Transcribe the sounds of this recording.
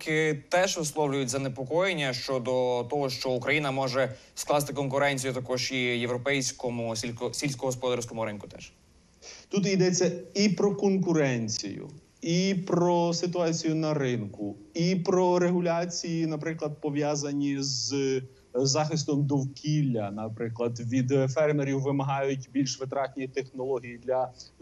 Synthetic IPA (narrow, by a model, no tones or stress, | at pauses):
kɪt̪ɛʒʋɪslˠɔwlʲʊjʊtʲzɐnepɔkɔjenʲːɐʃt͡ʃɔd̪ɔt̪ɔɦɔʃt͡ʃɔukɾɐjinɐmɔʒɛ | sklˠɑst̪ɪkɔnkʊɾɛnʲt͡sʲijʊt̪ɐkɔʒijewɾɔpɛjsʲkɔmʊisʲilʲsʲkɔɦɔspɔd̪ɑɾsʲkɔmʊɾɪnkʊt̪ɛ̰ʃ | t̪ut̪̬id̪ɛt͡sʲːɐipɾɔkɔnkʊɾɛnʲt͡sʲḭjʊ̰ | ipɾɔsɪt̪ʊɑt͡sʲijʊnɐɾɪnkʊipɾɔɾeɦʊlʲɑt͡sʲijinɐpɾɪklˠɐd̪̚pɔʋʲjɑzɐnʲiz | zɑxɪst̪ɔmd̪ɔwkʲilʲːɐnɐpɾɪklˠɐd̪ʋʲid̪fɛrmeɾʲiwːɪmɐɦɑjʊtʲbʲilʲʃʋɪt̪ɾɑt̪ʲnʲijt̪exnɔlˠɔɦʲijid̪lʲɐ